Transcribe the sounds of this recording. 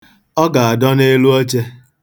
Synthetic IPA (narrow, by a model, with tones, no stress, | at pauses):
ɔ˦ɡa˨a˨dɔ˦ne˦lu˦o˦t͡ʃe˦